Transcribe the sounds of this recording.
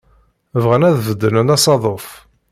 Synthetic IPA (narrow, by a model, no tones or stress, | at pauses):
vʁənæðvəd̪ːənənæsˤɑðˤof